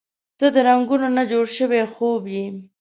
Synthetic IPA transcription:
z̥əd̪əɾaŋɡunonad͡ʒoɽʃəwexobji

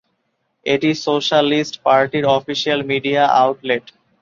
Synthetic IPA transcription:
eʈisoʃalisʈpaɾʈiɾɔfiʃialmiɖiaʔaʊʈleɖ

